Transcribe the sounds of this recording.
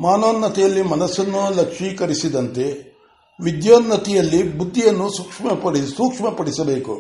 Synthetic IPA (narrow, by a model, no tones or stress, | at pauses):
maːnoːnːɐt̪ijɐlːimɐnɐsɐnːulɐkʂiːkɐɾisid̪ɐnt̪e̞ | ʋid̪joːnːɐt̪ijɐlːibud̪ʱːijɐnːusuːkʂmɐpɐɽisuːkʂmɐpɐɽisɐbe̞ːkṵ